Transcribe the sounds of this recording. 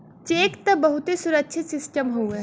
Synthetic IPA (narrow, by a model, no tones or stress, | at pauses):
t͡ʃeːkt̪ɐbɐɦʊt̪ɦisʊɾək̚t͡ʃʰɪt̪sɪsʈəmɦoɛ